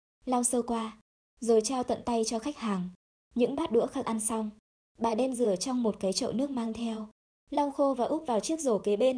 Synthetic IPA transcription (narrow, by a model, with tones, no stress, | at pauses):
la˧wsəː˧wkwaː˧ | zo˨˦jt͡ɕaː˧wt̪ə̰˧˨nt̪a˧jt͡ɕɔ˧xa˦˥jk̟̚haː˨˩ŋ | ɲɨ̰˧˥ŋɓaː˦˥t̚ɗṵ˧˥əxaː˦˥k̚ʔa˧nsa˧wŋ͡m | ɓaː˨˩ɗɛ˧mzɨ˧˩ət͡ɕɔ˧wŋ͡mmo˨˩t̚kaː˨˦jt͡ɕə̰˧˨wnɨ˦˥ək̚maː˧ŋt̪ʰɛ˧w | la˧wxo˧vaː˨˩ʔʊ˦˥p̚vaː˨˩wt͡ɕi˦˥ək̚zo˧˩ke˨˦ɓe˧n